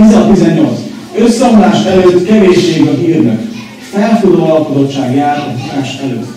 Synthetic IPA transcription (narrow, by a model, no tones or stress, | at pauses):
izɒt̪t̪izɛɲːo̞lt̪s | øsːɒmlaːʃt̪ɛløːt̪ːkɛveːʃːeːɡɒɦiːrnɛ̰k | fɛlfud̪oːɒlkod̪o̞tt͡ʃːaːɡjaːt̪ɒɦinaːʃɛlø̰ːt̪ː